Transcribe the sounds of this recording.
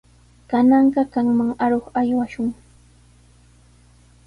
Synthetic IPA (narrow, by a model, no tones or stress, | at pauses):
kanɑɴɢɑkɑŋmaŋaɾoχajwaʃʊŋ